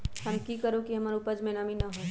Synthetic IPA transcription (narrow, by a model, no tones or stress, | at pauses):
hɐmkikəɾokiɦɐmaːɾupəd͡ʒmenaːminɐɦoː